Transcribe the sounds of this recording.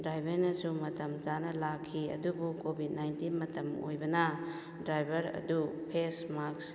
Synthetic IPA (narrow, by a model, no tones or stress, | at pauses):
dɾajbʱeɾnɐsumɐtɐmzanɐlakʰːiɐ̰dubukobʱid̚najntinmɐtɐmo̰jbɐnɐ | dɾajbʱɐɾɐ̰dupʰesmaks